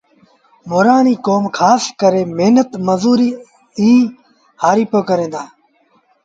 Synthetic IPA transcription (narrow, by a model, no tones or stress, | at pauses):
moːɾaːniːkoːmkʰaːskəɾẽːmeɦnət̪məzuːɾiː | ĩː | haːɾiːpoːkəɾẽːnd̪aː